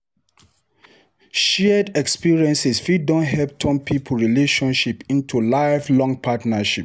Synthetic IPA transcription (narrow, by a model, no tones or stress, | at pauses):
ʃɛdɛkspiɹiɛ̃nsisfidɔ̃ntɦɛp̚tʰɔ̃mpʰipʰuɹileʃɔ̃nʃipĩntʰulaɪvlɔ̃ŋɡ̚pʰatnaʃip̚